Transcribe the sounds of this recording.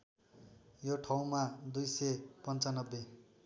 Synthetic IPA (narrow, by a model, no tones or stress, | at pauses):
joʈʰaw̃mad̪ujsepʌnt͡sanʌbːe